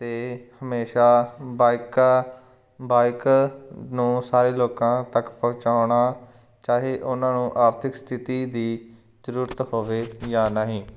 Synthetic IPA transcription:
t̪eːhəmeːʃaːbaːɪkaː | baːɪk | nũːsaːɾeːloːkãːt̪əkpəʊ̃t͡ʃaːʊɽaː | t͡ʃaːɦeːʔʊnãːnũːʔaːɾt̪ʰɪkst̪ʰɪt̪iːd̪iː | zəɾuːɾət̪hoːʋeːjaːnaɦĩː

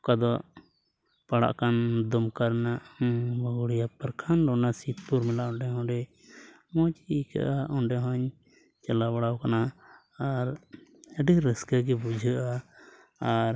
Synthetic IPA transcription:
kad̪ɔʔ | paɽa̰ʔkand̪ɔmkaɾnaʔbaɡuɽijapəɾkʰanlɔnasit̪̚puɾmɛlaʔɔɳɖɛɦɔ̃ɖɛ | mɔt͡ʃiika̰ʔaʔɔɳɖɛɦɔɲ | t͡ʃɛlabaɽawkanaː | ɾəɖiɾəskaɡɛbud͡ʒʱəʔaː | ɾ

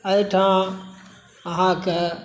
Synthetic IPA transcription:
ɐʈʰãː | ɦãkɐ

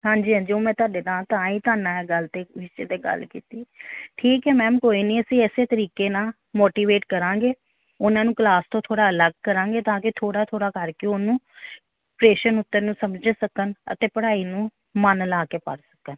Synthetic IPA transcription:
ɦãːɲd͡ʒiːãːd͡ʒioːmɛ̃ːt̪ʊaːɖeːd̪ãːt̪ãːĩːt̪ʊaːnãːɛɡəlt̪eːʋɪʃt͡ʃeːd̪eːɡə̰lkḭːt̪iːʈʰiːkɦɛːmɛ̃ːmkoːiːniːəsĩːɛseːt̪əɾiːkeːnaː | moːʈiːʋeːʈkəɾãːŋɡeː | ʊnãːnũːklaːst̪õːt̪ʰoːɽaːələɡ̚kəɾãːŋɡeːt̪ãːkɪt̪ʰoːɽaːt̪ʰoːɽaːkəɾkeʊnũː | pɾeːʃənʊt̪ːəɾnũːsəmd͡ʒəsəkənə̰t̪eːpəɽaːiːnũː | mənəlaːkeːpə̰ɽsə̥kən

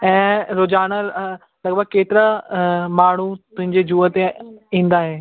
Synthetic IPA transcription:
ɛ̃ːɾod͡ʑaːñə | lɐɡbəɡ̚keːt̪ɪɾamaːɳ̤ut̪ʊɦɪ̃ɲd͡ʑed͡ʑuːət̪eĩːn̆d̪aːɦɪ

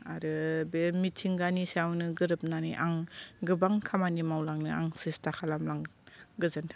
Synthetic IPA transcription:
aɾɯbemitʰiŋɡanisawnɯɡɯɾɯp̚naniʔaŋɡɯbaŋkʰamanimawlaŋnɯa̰ŋsistʰakʰalamlaŋɡɯzantʰa

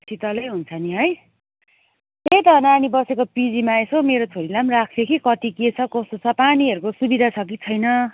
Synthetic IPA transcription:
sʰit̪ʌlʌjɦunt͡sʰʌniɦʌj | t̪ejt̪ʌnanibʌsekopid͡zimaesomeɾot͡sʰoɾilamrakʰsekʰikʌt̪iket͡sʰʌkʌst̪ot͡sʰʌpaniʌɾukosubid̪ʱat͡sʰʌk̬it͡sʰʌjnʌ

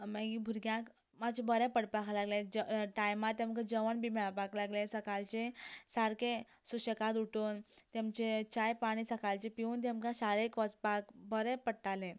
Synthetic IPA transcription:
maɡibʱuɾɡjãk | mat͡ɕbəɾɛpəɽpakʰlaɡlẽd͡ʑʈajmat̪ːẽmkad͡ʑəʋəɳbimɛɭapaklaɡlẽsəkalt͡ɕesaɾkesuɕəkat̪uʈunt̪emt͡ɕet͡ɕajpaɽ̃iːsəkalt͡ɕepiunt̪̬emkãsaɭekɔt͡spakbəɾɛ̃pəɽʈalẽ

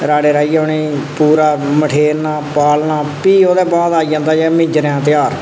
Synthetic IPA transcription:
ɾaːɽeːɾaːiːaːniːpuːɾaːməʈʰeːɾnaːpaːlnaːpiːoːd̪ɛːbaːd̪aːid͡ʒãːnd̪aːd͡ʒɛːmɪ̃d͡ʒɾjãːt̪ɪjaːɾ

